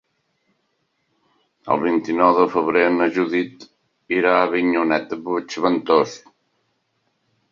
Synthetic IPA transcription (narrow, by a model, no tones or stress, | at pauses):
ə̰lˠβint̪inɔwðəfəβɾenəʒuðit̪ | iɾaːβiɲunɛt̪̚d̪əput͡ʃβənt̪os